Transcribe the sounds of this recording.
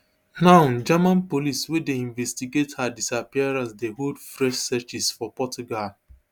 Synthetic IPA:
nãnd͡ʒamãnpoliswedeĩɱvɛstiɡethadisapiaɾansdeɦodfɾɛʃsɛt͡ʃisfɔpɔtuɡal

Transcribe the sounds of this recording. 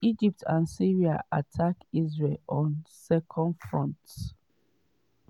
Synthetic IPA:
id͡ʒip̚tʰãnsiɹiaʔatʰakizɹelɔ̃nsɛkʰɔ̃ndfɹɔ̰̃nt

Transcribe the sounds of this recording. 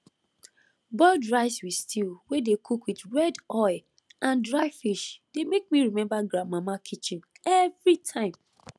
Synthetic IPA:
bɔldɹaɪswistʰilwedekʰukwitɹɛdɔɪ | ʔãndɹaɪfiʃd̥emek̚miɹimɛ̃mbaɡɹãmːãmakʰit͡ʃĩn | ɛvɹitʰãɪ̃m

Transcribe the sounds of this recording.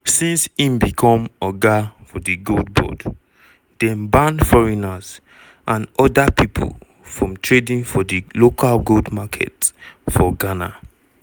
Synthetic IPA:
sĩnsĩmbikʰɔ̃mɔɡafɔdiɡoldbɔ̰d | d̥ɛ̃mbãnfɔɹinaz | ʔãnɔdapʰipʰṵl | fɹɔ̃mtʰɹedĩnfɔdilokʰalɡoldmakʰɛ̰tfɔɡana̰

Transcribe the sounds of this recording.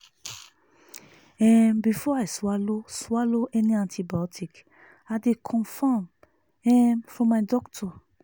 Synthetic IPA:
ɛmbifɔajsalosaloʔɛnĩãntʰibiɔtʰik | adekʰɔ̃nfãm | ɛmfɾɔ̃madɔktʰɔ

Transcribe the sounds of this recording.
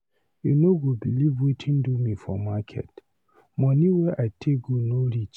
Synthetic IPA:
junoɡobilivwetʰĩndumĩfɔ̰makʰɛ̰t | mɔ̃niwɛʔaɪtʰek̚ɡonoɾit͡ʃ

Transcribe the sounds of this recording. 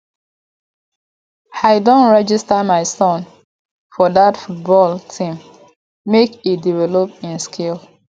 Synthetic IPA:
aɪdõntɹɛd͡ʒistamaɪsɔ̃n | fɔðatfut̚bɔltʰĩmː | ekit̚divɛlopĩnskʰel

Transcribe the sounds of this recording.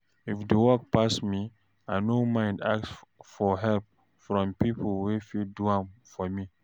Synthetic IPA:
ifdəwɔk̚pasmi | ajnomãɪ̃ndaksfɔɦɛlp̚ | fɹɔ̃mpipʰəlwifiduãmfɔmi

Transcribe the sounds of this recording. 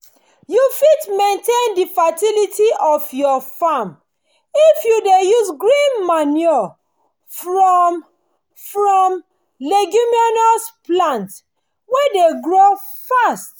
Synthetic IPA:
jufitmẽntẽndifatilitʰiɔfjɔfam | ifjudejuzɡɹĩnmanɔ | fɹɔm | fɹɔ̃m | leɡumiɔnɔsplãnt | wedeɡɹo | fast

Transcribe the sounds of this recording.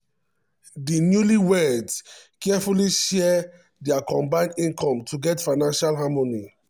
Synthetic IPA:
dinjuliwɛdskɛfuliʃɛ | dɛakɔ̃mbãɪ̃ndĩnkɔ̃mtʰuɡɛtfaɪnãnʃalɦamɔni

